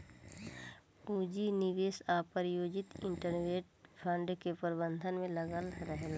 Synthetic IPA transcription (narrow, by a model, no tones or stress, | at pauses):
uːd͡ʒinɪʋeːsaːpəɾjoːd͡ʒɪt̪ɪ̃ɳʈəɾnʋeːʈ̚pʰə̃ɳɖkepəɾbə̃nd̪ʱənmẽləɡəlɾəɦela